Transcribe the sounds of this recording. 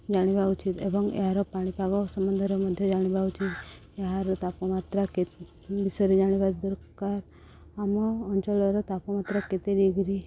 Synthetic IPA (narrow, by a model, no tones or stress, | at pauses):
d͡ʒaɽ̃ibaut͡ʃit̪ḛbəŋɡḛɦaɾɔpaɽ̃ipaɡɔsəmənd̪ʱəɾɔməd̪ʱjɔd͡ʒaɽ̃ibaut͡ʃit̪ | eɦaɾɔt̪apɔmat̪ɾake | bisəɾid͡ʒaɽ̃ibat̪d̪əɾkaɾ | amɔɔɲt͡ʃɔlɔɾɔt̪apɔmat̪ɾaket̪ed̪iɡɾi